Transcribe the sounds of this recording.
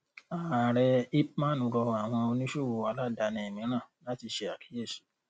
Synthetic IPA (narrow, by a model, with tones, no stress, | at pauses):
a˨ɾɛ˧i˦pmã˦nũ˨˦ɾɔ˧a˨w̃ɔ̃˧o˧nĩ˦ʃo˦˨wo˧a˧˦la˦˨da˧nĩ˧e˨mĩ˨˦ɾ̃ã˦˨la˨˦ti˧ʃe˧a˨ki̥˨˦e˦˨ʃi̥˨˦